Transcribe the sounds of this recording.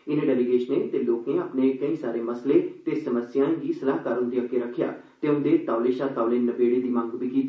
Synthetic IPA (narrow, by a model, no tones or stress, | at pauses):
ɪnẽɖɛːliɡeːʃneːt̪eːloːknẽːaːpneːkəĩːsaːɾeːməsleːt̪eːsəməsjãːɡiːsəlaːɦkəɾənd̪iːəkːeɾəkʰːja̰ː | t̪eːʊnd̪eːt̪aːʊleːʃaːt̪aːleːnəbeːɽeːd̪iːmãŋɡbiːkiːt̪ː